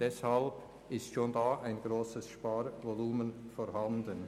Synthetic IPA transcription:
d̥ɛshalb̥ | ɪstʃoːndaːʔaɪnɡɾoːsəsʃpaːɾvɔluːmənfɔɾɦandən

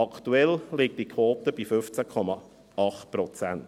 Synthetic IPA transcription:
ɑkʰt̪uɛllɪk̚tikʰwɔːt̪əb̥ifʏft͡sækʰɔmɑ | ɑχtpɾɔt͡sænt

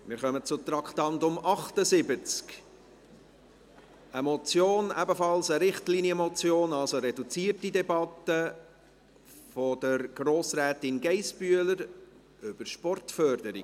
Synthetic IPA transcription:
mɪɾχœmət͡sʊt̪ɾɑkχtɑntʊmɑχtəzɪbət͡sk | əmɔt͡sjoːnæbəfɑlsəɾɪχtliniəmɔt͡sjoːnɑlsoɾɛdut͡siːərtidɛbɑtə | fɔd̥əɾɡ̥ɾoːsɾæːtɪnɡɛɪsb̥yələɾ | ʏb̥əɾʃpɔrtfœrdəɾi

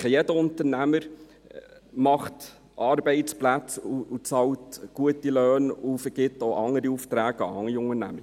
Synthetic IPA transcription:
χjɛdəʊnt̪əɾnæməɾ | mɑχt | ʔɑːɾbɛɪtt͡splæt͡suːt͡sɑwtɡ̥uətiløːnufəɾɡ̥ɪt̪ːoʔɑŋːəɾiuft̪ɾæːɡəɑ̰ɑŋiʊŋənæ̰mə

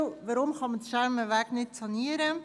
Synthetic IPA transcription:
ʋɑɾʊmχɑmədʃɛɾməʋæːknɪtsɑniəɾə

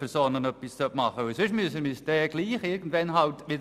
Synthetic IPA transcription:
pʰɛɾsoːnənœpːist͡sœtmɑχəʊsʏʃmyəsəmisdɛːɡ̥liːχɪɾɡən̩tvɛnɦɑltʋɪd

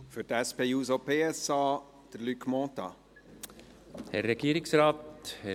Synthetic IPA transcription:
fʏɾtæspeːjuːsopʰeːɛsɑː | d̪̥əɾlykmɔːt̪ɑ̰ | hɛɾːɛɡ̥iːəɾɪksɾaːt̪hɛ

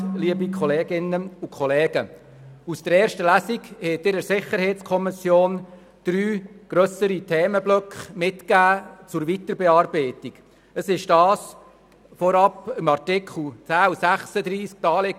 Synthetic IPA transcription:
liəbikʰχɔlɛːɡɪnəukʰχɔlɛːɡ̥ə | usd̥əɾɛːɾʃtəlæsiɡhɛt̪ɪɾəsɪχəɾheɪtt͡skʰɔmɪsjoːn | d̥ɾyːɡ̥ɾœsəɾitʰɛːməblœkχmɪtkæːt͡sʊɾvitəɾbɛɑːrbeɪtiɡ̥ | əsɪʃd̥ɑːs | fɔɾɑpɪmɑrtɪkʰχl̩t͡sæːusæχsəd̪ɾiːsk̚d̥ɑːleɡ

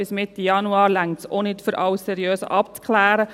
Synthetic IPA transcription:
ɪsmɪt̪ːijɑnuɑːɾlæŋtsonɪtfʏɾʔɑwssɛɾjøːsə̰ʔɑpt͡skʰlæːɾə

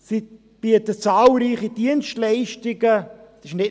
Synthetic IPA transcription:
si | b̥iətət͡saːlɾiːχidiənstlɛɪʃtɪɡəsɪʃnɪ

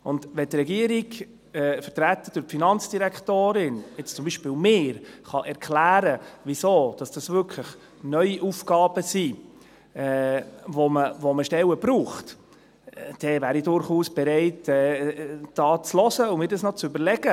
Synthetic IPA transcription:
ʊndʋɛtrɛɡiəɾiɡ | ɛfətɾæt̪ːəd̥ʊɾpfinɑnt͡sd̥iɾækχtoːɾɪnɛt͡st͡sʊmbiːʃpɪːwmɪːɾχɑʔɛɾkʰlæːɾəʋisoːd̥ɑsd̥ɑsvʏɾkʰləχ | nœʏiʔufɡɑːb̥əsi | ɛvɔməvɔməʃtɛwəbɾuːχt | d̥ɛvæːɾidʊɾχuːsb̥ɛɾɛɪtɛːd̥ɑːt͡slɔzəʊmɪːɾdɑsnɔt͡sʏbəɾlɛɡə

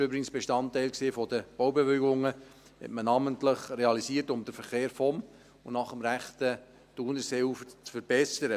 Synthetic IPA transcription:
øbɾɪɡŋsb̥eʃtɑntɛɪlkseːfɔdəb̥owbeveɡʊŋə | hɛ̰tmənɑːməntləχreɑlisiːtʊmdəfəɾχeːɾfɔm | ʊnɑχəmɾæχtə | d̥unəseːuft͡sfəɾb̥ɛsəɾə

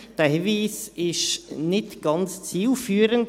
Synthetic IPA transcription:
d̥əhiviːsɪʃnɪtɡ̥ɑnt͡st͡siːlfyːəɾənt

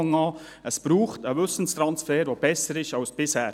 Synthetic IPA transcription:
ŋɑː | əsb̥ɾuːχtəʋʏsn̩st̪ɾɑnsfɛːɾʋoːb̥ɛsəɾɪʃɑʊsb̥ɪshɛː

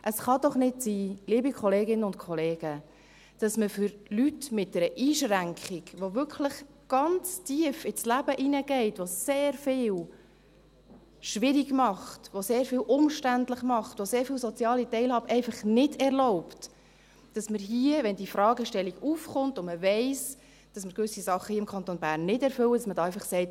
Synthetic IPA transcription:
ʔəsχɑd̪ɔχnɪdsiːliːbikʰχɔleːɡɪnəʊntkʰɔleːɡ̥ə | d̥ɑsməfʏɾlytmɪt̚d̥ɛɾəʔiːʃɾæŋkχiɡʋovʏɾkχləχ | ɡ̥ɑnt͡stiəfɪslæbəʔinəɡɛɪtʋoseːɾfɪːl | ʃʋɪɾiɡmɑχtʋoseːɾfɪːwʔʊmʃtændləχmɑχtʋoseːɾfiːwsɔt͡sjɑːlitɛɪlhɑːbəʔɛɪfɑχnɪdɛɾlɔʊpt | d̥ɑsməɾɦiəʋɛndifɾɑːɡəʃtɛlːiɡufχʊntʊnməvɛɪs | d̥ɑsməɾkʋʏsisɑχːəhiəɪmkʰɑnt̪onbæːɾnːɪdɛɾfʏləd̥ɑsmədɑːɛɪfɑχsɛɪt

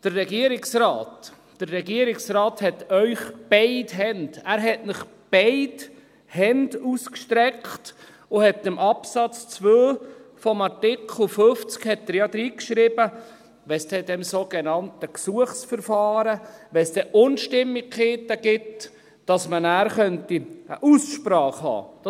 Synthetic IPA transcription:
d̥ərːɛɡiəɾɪksɾɑːtː | ərːɛɡiəɾɪksrɑːthɛtœʏχb̥aɪdɦɛndæːɾɦɛtnɪχ | b̥ɛɪt | hɛnd̥uskʃtɾɛkχt | ʊhɛtːəmʔɑpsɑt͡st͡svøːfɔmɑɾtɪkʰl̩føft͡skhɛtːəɾjɑd̪ɾiːkʃɾɪb̥ə | ʋɛsd̥ɛdɛmsoɡ̥ɛnɑntəksuəχsfəɾfɑːɾəʋɛsd̥̪ɛʔʊnʃtɪmːiɡχeːtːəɡ̥ɪt | d̥ɑsmənæːɾχœntiə̰ʔusʃpɾɑːχhɑ̰ːd̥ɑ

